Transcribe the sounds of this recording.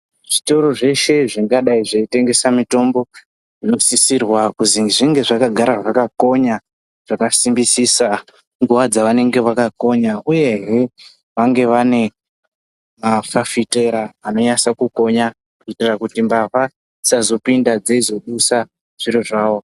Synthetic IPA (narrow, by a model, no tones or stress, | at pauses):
ʐ̥ito̞ɾo̞ʐe̞ʃe̞ʐiŋɡaɗaiʐeite̞ŋɡe̞samito̞mbo̞ | ʐino̞sisirwakuziʐiŋɡe̞ʐakaɡʱaɾaʐakako̞ɲa | ʐ̥akasimbisisa | ŋɡuʋad͡zaʋane̞ŋɡe̞ʋakako̞ɲauje̞ɦe | ʋaŋɡe̞ʋane̞ | mafafite̞ɾaːno̞ɲasakuko̞ɲa | kuitirakutimbaʋa | sazo̞pindad͡zeizo̞ɗusa | ʐ̥iɾiʐaːʋo̞